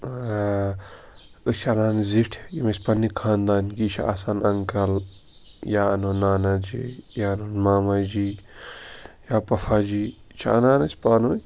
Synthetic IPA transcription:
ɨt͡ʃʰɐnaːnziʈʰjimesʲpɐnːikʰaːnd̪aːnkit͡ʃʰa̰ːsaːnɐŋkɐl | jaɐnoːnːaːnad͡ʒḭjaɐnoːnmaːmad͡ʒi | jaːpɐfʰad͡ʒiː | t͡ʃʰa̰ɐ̰naːnɐsʲpaːnoːjʲ

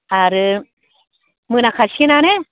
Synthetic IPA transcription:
aɾɨ | mɨ̃ñãkʰaʃinãne

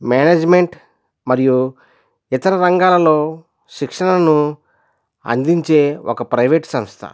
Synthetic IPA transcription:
maːneːd͡ʒme̞ɳʈ | mɐɾiju | it̪ɐɾɐɾɐŋɡaːlɐlo̞ː | ʃikʂɐnɐnu | ɐ̰nd̪iɲt͡ʃe̞ːɔkɐpɾɐjʋeːʈsɐmst̪ʰɐ̰

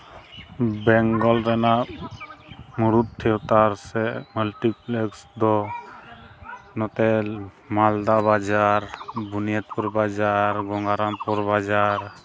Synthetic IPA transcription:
bɛŋɡɔlɾɛna | muɾut̪̚t̪ʰːɛwt̪aɾsɛmulʈiplɛksd̪ɔ | nɔt̪ɛ | mald̪abad͡ʒaɾbʱunijat̪̚puɾbad͡ʒaɾɡɔŋɡaɾanpɔɾbad͡ʒaɾ

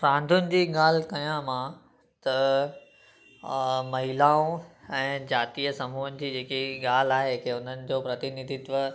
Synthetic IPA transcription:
pɾãːnd̪ʱʊnɪ̆d͡ʑiːɠaːl̤kɐjãmã | t̪ɐ | mɐɦɪlaːõɛ̃ːd͡ʑaːt̪ijəsɐmuːɦʊnɪ̆d͡ʑiːd͡ʑeːkiɠaːl̤aːɦekʰeʊn̤ənɪ̆d͡ʑoːpɾɐt̪ɪnid̪ʱɪt̪ʋə

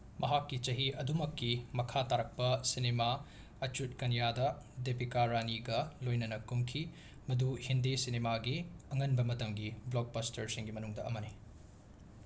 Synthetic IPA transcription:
mɐɦakːit͡ʃɐɦiɐdumɐkːimɐkʰataɾɐk̚pɐsinema | ɐt͡ʃut̚kɐnijadɐdepikaɾaniɡɐlojnɐnɐkumkʰi | mɐduhindesinemaɡiɐŋɐnbɐmɐtɐŋɡiblok̚bɐstɐɾsiŋɡimɐnuŋdɐʔɐmɐni

